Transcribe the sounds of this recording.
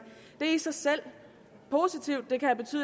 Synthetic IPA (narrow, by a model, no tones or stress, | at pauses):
d̥e̝æɐisɑ̈ɪsel̰ | pʰo̝sit͡sʰiʊ̰d̥ːe̝kʰææb̥e̝t͡sʰy̰ː